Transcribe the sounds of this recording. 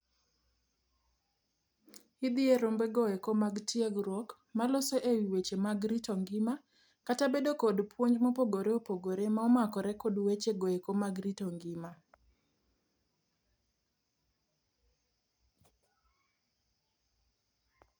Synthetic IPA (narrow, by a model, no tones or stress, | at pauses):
id̪ɪeɾombeɡɔekomaɡtieɡɾɔk | malosoʔewiwet͡ʃemaɡɾitɔŋɡɪma | katabedokodpwoɲd͡ʒmopoɡoɾeopoɡoɾemaɔmakɔɾɛkodwet͡ʃeɡɔekomaɡɾitoŋɡɪma